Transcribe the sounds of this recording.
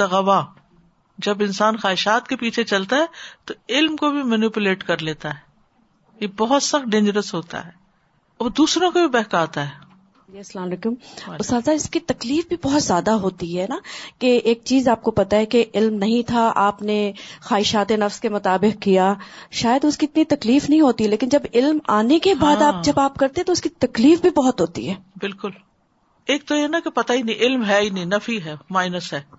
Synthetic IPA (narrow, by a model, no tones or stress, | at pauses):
t̪ɐɣɐʋa | d͡ʒɐbɪ̃nsaːnxaːɪʃaːt̪kepiːt͡ʃʰet͡ʃɐlt̪aɦɛːt̪oɪlmkobʱimənupʊleːʈkɐɾleːt̪aɦɛː | jebɔɦʊt̪sɐxʈ̚ɖẽːnd͡ʒəɾəsɦoːt̪a̰ɦɛː | ɔːɾd̪uːsɾõkobʱibɛɦkaːt̪aɦɛː | jeslãːmleːkʊmʊstaːlzaɪskit̪ɐkliːfbʱibɔɦt̪zjaːd̪aɦoːt̪iɦɛnakeeːk̚t͡ʃiːzaːp̚kopɐt̪aɦɛkeʔɪlmnɐɦĩt̪ʰaaːpnexaːɪʃaːt̪enɐfskemʊt̪aːbɪqkijaʃaːjəd̪ʊskiɪt̪nit̪ɐkliːfnɐɦĩɦoːt̪iɦɛleːkɪnd͡ʒɐbɪlmaːnekebaːd̪aːp̚d͡ʒɐbaːp̚kɐɾt̪ẽɦɛ̃t̪oʊskit̪ɐkliːfbʱibɔɦɔt̪ɦoːt̪ḭɦɛːbɪlkʊl | eːk̚t̪ojeɦɛnakepɐt̪ainɐĩʔɪlmɦɛinɐĩnɐfiɦɛːmaːɪnəsɦɛː